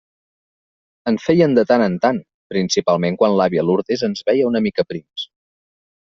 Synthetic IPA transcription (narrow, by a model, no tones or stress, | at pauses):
ənfɛjənd̪ət̪anənt̪an | pɾinsipalˠmeŋkwanlaβjəluɾt̪ezənzβɛjəunəmikəpɾims